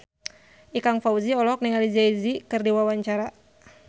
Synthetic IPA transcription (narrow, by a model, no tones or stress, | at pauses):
ʔikaŋfauziɔlɔk̚niŋalizaizikɨrdiwawaɲt͡ʃaɾa